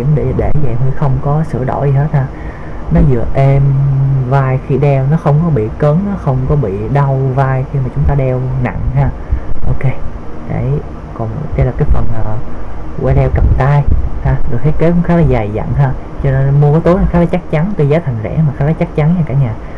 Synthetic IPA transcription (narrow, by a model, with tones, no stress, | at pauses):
i˧˩əmɗe˧˩ɗe˧˩va̰˧˨mi˧əxə˧wŋ͡mkɔ˨˦sɨ̰˧˩əɗo̰˧˩˦jzi˨˩ɦe˦˥t̚haː˧ | nɔ˨˦zɨ̰˧˨əʔe˧mvaː˧jxi˧ɗɛ˧wnɔ˨˦xə˧wŋ͡mkɔ˨˦ɓḭ˧˨kəː˨˦nnɔ˨˦xə˧wŋ͡mkɔ˨˦ɓḭ˧˨ɗa˧wvaː˧jxi˧maː˨˩t͡ɕʊ˨˦ŋ͡mt̪aː˧ɗɛ˧wna̰˧˨ŋhaː˧ | ʔo˧ke˧ɗe˧˩ | kɔ˨˩n˨t̪e˧laː˨˩kaː˨˦jfə˨˩nʔəː˨˩waː˧jɗɛ˧wkə˨˩p̚t̪aː˧jhaː˧ɗɨ˨˩ək̚he˦˥t̚kːeː˨˦˥kʊ˧˦ŋ͡mxaː˦˥laː˨˩zaː˨˩jza̰˧˨nɦaː˧ | t͡ɕɔ˧ne˧nmu˧kɔ˨˦jt̪o˨˦jla˨˩xaː˦˥la˨˦t͡ɕa˦˥k̚t͡ɕa˨˦nt̪wo˧zaː˨˦t̪ʰa˨˩ŋ̟zɛ̰˧˥˦maː˨˩xaː˦laː˨˦t͡ɕa˦˥k̚t͡ɕa˨˦nɲaː˧˩kaː˧˩ɲaː˨˩